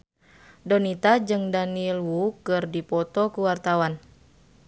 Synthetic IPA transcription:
dɔnit̪ad͡ʒɨŋdanilwukɨrdipɔt̪ɔkuwart̪awan

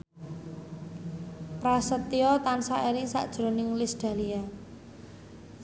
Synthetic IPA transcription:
pɾasət̪iɔt̪ansaeɾɪŋsa̰ʔd̥ʒ̥ɾo̤nɪŋlisd̪̥a̤lia

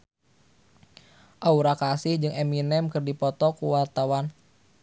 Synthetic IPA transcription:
ʔauɾakasɪhd͡ʒɨŋɛminɛmkɨrdipɔt̪ɔkuwart̪awan

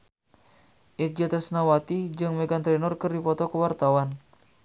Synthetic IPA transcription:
ʔɛd͡ʒat̪ɛsnawat̪id͡ʒɨŋmɛɡant̪ɾɛnɔrkɨrdipɔt̪ɔkəwart̪awan

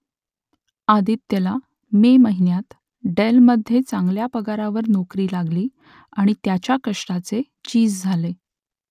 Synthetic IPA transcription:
ad̪iːt̪ːela | meməɦinjat̪ | ɖelməd̪ʱːjet͡saŋɡljapəɡaɾaʋəɾnokɾiːlaɡliː | aɽ̃it̪jat͡ɕjakəʂʈat͡se | t͡ɕiːd͡zd͡zʱale

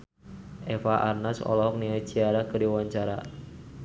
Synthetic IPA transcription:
ʔɛfaʔarnasɔ̰lɔɦɔk̚niat͡ʃiaɾakərdiwaɲt͡ʃaɾa

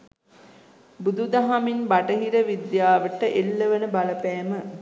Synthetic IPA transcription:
bud̪ud̪aɦaminbaʈəɦiɾəʋid̪jaːʋəʈəʔelːəʋənəbaləpɛːmə

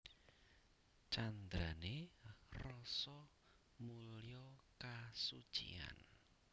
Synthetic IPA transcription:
t͡ʃand̪ɾanerɔsɔ | mulijɔkasu̥t͡ʃḭa̰n

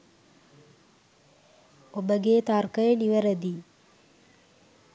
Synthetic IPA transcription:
obəɡeːt̪arkəjəniʋəɾəd̪i

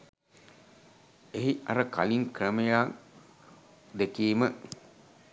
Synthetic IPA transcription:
eɦiaɾəka̰liŋkɾəməjaː | d̪ekiːmə

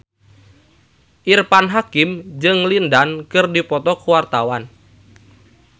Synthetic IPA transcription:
ʔirpanɦakimd͡ʒɨŋlindankɨrdipɔt̪ɔkuwart̪awan

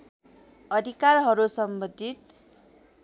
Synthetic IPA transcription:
ʌd̪ʱikarɦʌɾusʌmbʌd̪ʱit̪̚

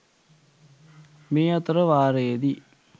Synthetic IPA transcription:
miːɐt̪ɾɐʋaːɾeːd̪i

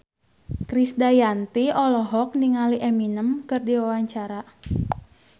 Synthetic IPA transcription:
kɾisdajant̪iɔlɔɦɔk̚niŋaliʔɛminəmkɨrdiwawaɲt͡ʃaɾa

